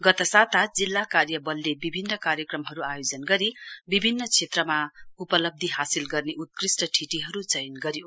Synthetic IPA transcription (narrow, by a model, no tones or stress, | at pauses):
ɡʌt̪ʌsat̪ʰad͡zilːakarjʌbʌlːebibʱinːʌkaɾjʌkrʌmɦʌɾuajod͡zʌnɡʌɾibibʱinːʌt͡sʰet̪rʌmaupʌlʌb̚d̪ʱiɦasilɡʌrneʔut̪̚krisʈʌʈʰiʈiɦʌɾut͡sʌjnɡʌɾjo